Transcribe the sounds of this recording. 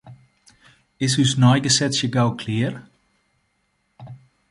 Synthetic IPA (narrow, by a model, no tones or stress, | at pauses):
ɪshysnɔjɡəsɛsjəɡawkʰlɪːər